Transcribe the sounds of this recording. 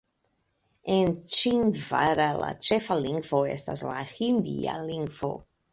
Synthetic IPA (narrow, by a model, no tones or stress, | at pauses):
ent͡ʃindvaɾala̰t͡ʃefaliŋɡvoḛstaslahind̪ḭa̰liŋɡvo̰